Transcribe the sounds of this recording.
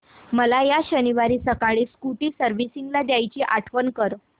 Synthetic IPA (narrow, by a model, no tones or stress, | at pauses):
məlajaɕəniʋaɾiːsəkaɭiːskuʈiːsəɾʋisiŋɡlad̪jajt͡ɕiːʔaʈʰʋənkəɾ